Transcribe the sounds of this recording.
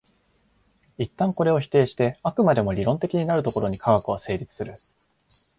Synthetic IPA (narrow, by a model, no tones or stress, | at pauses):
it̪ːãŋko̞ɾe̞o̞çi̥t̪e̞ːɕi̥t̪e̞akɯ̟mad̪e̞mo̞ɾʲiɾõ̞nt̪e̞kʲiɲ̟inaɾɯ̟t̪o̞ko̞ɾo̞ɲ̟ikaɡakɯ̟βase̞ːɾʲit͡sɨ̥sɨɾɯ̟